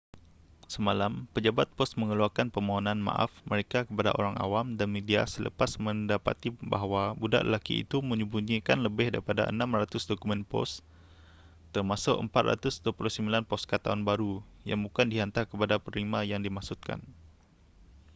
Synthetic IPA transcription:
səmalampəd͡ʒabat̪̚pɔst̪mə̃ŋəluakanpəmaɦanãnmã̰ʔa̰fməɾekakəpada̰ʔo̰ɾaŋa̰wamdanmedia̰sələ̰pasmə̃ndapa̰t̪ibaɦwabuda̰ʔlə̰lakḭḭt̪umə̃ɲubuɲikanləbɪhdaɾipada̰ʔə̰nãmrat̪ʊsdokumɛ̃npɔ̰s | t̪ərmasʊkə̰mpat̪̚ra̰t̪ʊsduəpuluhsəmbilanpɔskat̪ːaʊnbaɾuja̰ŋbukandiɦant̪akəpadapərlimajaŋdimaksut̪̚ka̰n

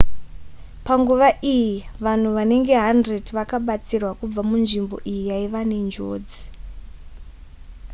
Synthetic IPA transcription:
paŋɡuʋaʔijiʋan̤uʋane̞ŋɡe̞ɦandredʋakaɓat͡sirwakub͡vamunʐimbo̞̰ʔijijaiʋanend͡ʒo̰ːd͡zi̥

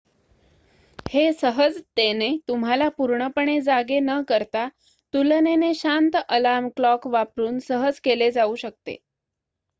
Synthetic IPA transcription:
hesəɦəd͡zt̪enet̪um̤ɦalapuɾɳəpəɳed͡zaɡenəkəɾt̪a | t̪uləneneɕant̪ʔəlamklɔkʋapɾuːnsəɦəd͡zkeled͡zauːɕək̚t̪ḛ

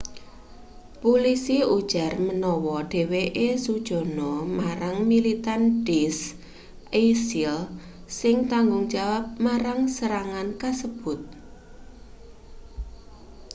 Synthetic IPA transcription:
pulisiud̥ʒ̥a̤rmənɔwɔɖ̥e̤weʔesud̥ʒ̥ɔ̤nɔmaɾaŋmilit̪anɖ̥is | esil | sɪŋt̪aŋɡʊŋd̥d͡ʒ̥awap̚maɾaŋsəɾaŋankasəb̥ʊt̪̚

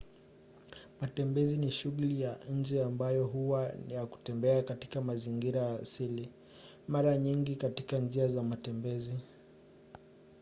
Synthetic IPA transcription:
matɛmbɛziniʃuɣulijaɲ̩d͡ʒɛambajɔɦuwajaku̥tɛmbɛakatikamaziŋɡiɾajasili | maɾaɲiŋɡikatikand͡ʒiazamatɛmbɛzi

